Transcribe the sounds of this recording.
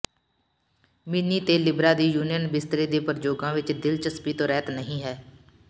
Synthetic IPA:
mɪniːt̪eːlɪbɾaːd̪iːjuːnijənbɪst̪ɾiːd̪eːpəɾd͡ʒoːɡãːʋɪt͡ʃd̪ɪlt͡ʃəspiːt̪õːɾɛːt̪nəɦĩːɦɛː

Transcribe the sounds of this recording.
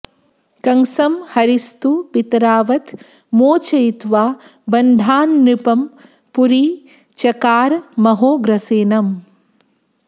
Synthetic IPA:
kɐŋsɐmhɐɾist̪upit̪ɾaːʋɐt̪ | moːt͡ʃɐjit̪ʋaːbɐnd̪ʱaːnɾipɐm | puɾi | t͡ʃɐkaːɾmɐɦoːɡɾɐseːnɐm

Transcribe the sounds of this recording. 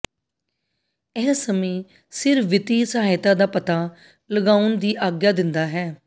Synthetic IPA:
ɛːsəmẽː | sɪɾʋɪt̪iːsəɦaːɪt̪aːd̪aːpət̪aː | ləɡaːʊnd̪iːʔaːɡjaːd̪ɪnd̪aːɦɛː

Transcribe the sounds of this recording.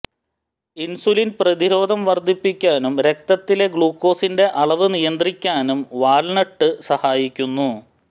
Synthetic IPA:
insulinprɐðiɾo̞ːd̪ʱɐmʋɐrd̪ʱipːikʲːaːnumɾe̞k̚t̪ɐt̪ːile̞ɡɭuːkːo̞ːsinde̞ʔɐɭɐʋɨnijɐnd̪rikʲːaːnumʋaːlnɐʈːɨsɐhaːjikʲːunːu

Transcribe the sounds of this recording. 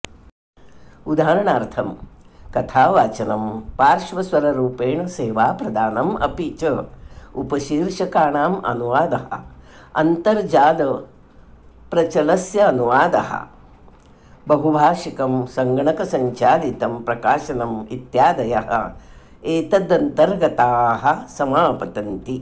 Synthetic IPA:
ud̪ʱaːɾɐɳaːɾt̪ʰɐmkɐt̪ʰaːʋaːt͡ʃɐnɐmpaːɾʃʋɐsʋɐɾɐɾuːpeːɳɐseːʋaːpɾɐd̪aːnɐmɐ̰pit͡ʃɐupɐʃiːɾʂɐkaːɳaːmɐ̰nuʋaːd̪ɐɦɐ̰ | ɐ̰nt̪ɐɾd͡ʒaːd̪ɐ | pɾɐt͡ʃɐlɐsjɐːnuʋaːd̪ɐ̰hɐ̰ | bɐɦubʱaːʃikɐmsɐŋɡɳɐkɐsɐɲt͡ʃaːlit̪ɐmpɾɐkaːʃɐnɐmit̪jaːd̪ɐjɐɦɐ̰ | eːt̪ɐd̪ɐnt̪ɐɾɡɐt̪aːɦɐ̆sɐmaːpɐt̪ɐnt̪i

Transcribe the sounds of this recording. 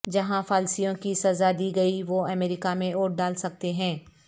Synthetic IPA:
d͡ʒɐɦãfaːlsijõkisɐzad̪iːɡɐiʋoɐmeːɾɪkamẽoːʈ̚ɖaːlsɐk̚t̪eɦɛ̃ː

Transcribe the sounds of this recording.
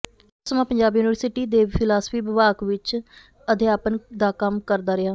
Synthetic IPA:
ʊsəmãːpəɲd͡ʒaːbjuːnɪʋəɾsɪʈiːd̪eːpʰɪlaːsə̥pʰiːbɪʋaːkʋɪt͡ʃ | əd̪eːaːpənd̪aːkəmkəɾd̪aːɾɪaː

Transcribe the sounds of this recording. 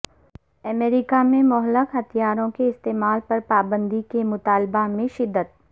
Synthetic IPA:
ɐmeːɾɪkamẽmɔɦləkɦɐt̪ʰijaːɾõkeɪst̪eːmaːlpɐɾpaːbə̃nd̪ikemʊt̪aːlbamẽʃɪd̪ːət̪̚

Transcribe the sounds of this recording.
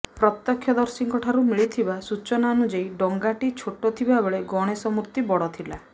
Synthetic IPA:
pɾɔt̪ːɔkʰːjɔd̪ɔɾsiŋkɔʈʰaɾumiɭit̪ʰibasut͡ʃɔnaɔnud͡ʒajɖɔŋɡaʈit͡ʃʰoʈːɔt̪ʰibabɔɭeɡɔɽ̃esɔmuɾt̪ibɔɽɔt̪ʰila

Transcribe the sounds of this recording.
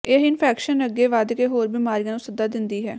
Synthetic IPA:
eːɦɪnpʰɛːkʃənəɡeːʋaːd̪keːɦoːɾbiːmaːɾijãːnũːsəd̪aːd̪ɪnd̪iːɦɛː

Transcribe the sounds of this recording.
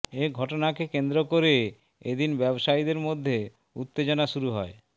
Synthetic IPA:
eɡʱɔʈonakekend̪ɾokoɾe | ed̪inbɛboʃaid̪eɾmod̪ʱːe | ut̪ːed͡ʑonaʃuɾuɦɔe

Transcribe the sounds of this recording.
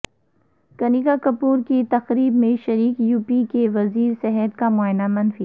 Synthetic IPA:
kɐniːɡakɐpuːɾkit̪ɐxɾiːbmẽʃɐɾiːkjuːpikeʋɐziːɾsɛɦɛt̪̚kamʊaːɪnamɐnfi

